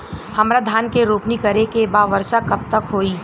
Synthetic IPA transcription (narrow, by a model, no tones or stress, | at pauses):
hɐmɾad̪ʱaːnkeɾoːpnikɐɾekebaːʋəɾʃakɐb̚t̪ɐkɦoːi